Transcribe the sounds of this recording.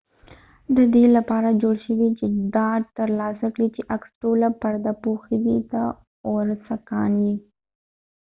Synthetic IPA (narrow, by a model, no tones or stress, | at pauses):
d̪əd̪elapɑɾad͡ʒoɽʃəwit͡ʃed̪ɑɖ̚t̪əɾlɑsakɽit͡ʃeʔaksʈolapaɾd̪apoxid̪it̪a | oɾsakɑnwi